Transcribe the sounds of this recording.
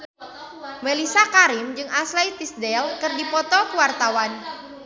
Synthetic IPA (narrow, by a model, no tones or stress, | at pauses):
melisakaɾimd͡ʒɨŋʔaslejt̪isdɛlkɨrdipɔt̪ɔkuwart̪awan